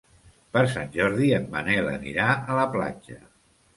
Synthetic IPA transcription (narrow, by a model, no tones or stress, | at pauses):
pəɾsanʲʒɔɾðiəmːənɛlə̰nḭɾaʔələpla̰d͡ʒə